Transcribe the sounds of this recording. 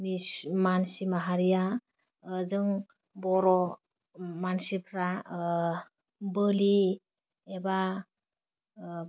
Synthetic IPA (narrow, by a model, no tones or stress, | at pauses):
mimansimaɦaɾija | zɯŋ | bɔɾɔ | mansipʰɾa | bɯli | eba